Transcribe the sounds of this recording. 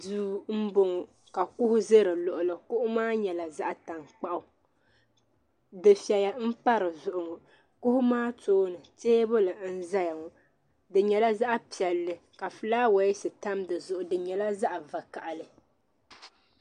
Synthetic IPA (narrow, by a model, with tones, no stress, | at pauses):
duː˦m̩˦bʊ˦ŋ˨ | ka˨kʊ˦hʊ˦ze˦ɾɨ˨lʊ˨ʔʊ˨lɨ˨kʊ˦ʔʊ˦maː˦ɲɛ˨la˨za˦ʔa˨ta˨ŋk͡pa˦ʔʊ˨ | dɨ˨fɛ˨ja˨m̩˦pa˦ɾɨ˨zʊ˨ʔʊ˨ŋ˨ | kʊ˦hʊ˦maː˦toː˦nɨ˨teː˦bʊ˦lɨ˨n̩˦za˦ja˨ŋ˨ | dɨ˨ɲɛ˨la˦za˦ʔa˦pi˨ɛ˨lːɨ˨ka˨fɨ˨laː˦wa˨ɪ˦sɨ˨ta˦mdɨ˨zʊ˨ʔʊ˨dɨ˨ɲɛ˨la˦za˦ʔa˨va˨ka˨ʔa˨lɨ˨